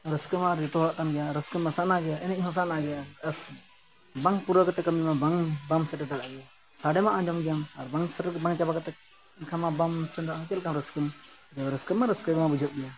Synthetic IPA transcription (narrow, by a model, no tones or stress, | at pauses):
ɾəskəmaɾiʈɔlaʔk̪anɡɛjaɾəskəmːasaʔnaɡɛjaɛnɛɦɔsanaɡɛjaəs | baŋpuɾəkat̪ɛkəmimabaŋbamsəʈɛt̪alaʔɡɛja | saɽɛmaʔad͡ʒɔŋɡamaɾbaŋsəʈbaŋt͡ʃabakat̪ɛk | nkʰamabamsɛnd̪at͡ʃɛlkamɾəskəm | d͡ʒabɾəskəmːaɾəskəɡmabud͡ʒʱət̪̚ɡɛja